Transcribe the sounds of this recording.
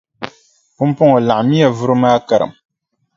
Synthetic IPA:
pʊ˦m˦pʊ˦ŋo˨la˨ʔmi˦a˨vʊ˦ɾɨ˦maː˦ka˨ɾɨ̰˨m

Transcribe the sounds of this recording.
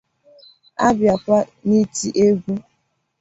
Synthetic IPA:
a˦bja˨kʷa˦ni˦ti˦ʔe˦ɡʷu˦

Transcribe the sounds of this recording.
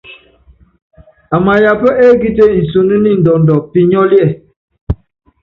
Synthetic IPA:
a˨ma˨ja˨pə˦ʔe˦ɡi˦te˦n̩˨so˨nu˦ni˦n̩˨dɔ˨n˨dɔ˨pi˦ɲɔ˦ljɛ˦˨

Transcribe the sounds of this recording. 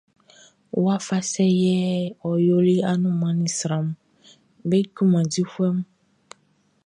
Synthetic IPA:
wo˦a˦fa˦sɛ˦jɛ˦ɔ˨jo˦li˦a˦nũ˦mã˨nĩ˦sɾã˨m˦ | be˦ku˦mã˨di˦xu˦ɛ˦m˦

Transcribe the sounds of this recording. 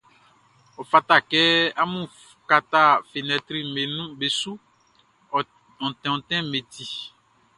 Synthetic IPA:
o˨fa˨t̪a˦˨kɛ˦a˦mũ˦ | ka˨t̪a˦˨fe˨nɛ̃˨t̪ɾi˦me˨nũ˦be˨su˦˨ | ɔ̃˨t̪ɛ̃˨ɔ̃˨t̪ɛ̃˦me˨t̪i˨

